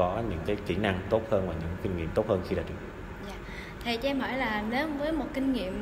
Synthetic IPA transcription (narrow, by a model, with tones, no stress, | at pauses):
ɔ˨˦ɲɨ̰˧˥ŋkaː˨˦jki˧˩na˧ŋt̪o˦˥t̚həː˧nvaː˨˩ɲɨ̰˧˥ŋkï˧ŋ̟ŋḭ˧˨əmt̪o˦˥t̚həː˧nxi˧ɗa̰ː˨˧˥t͡ɕɨ˨˧˩ə˩zaː˧˨ | t̪ʰi˨˩t͡ɕːʔɛ˧mɦɔ˧˩jlaː˨˩lə˨˦nvəː˨˦jmo˨˩t̚kï˧ŋ̟ŋḭ˧˨əm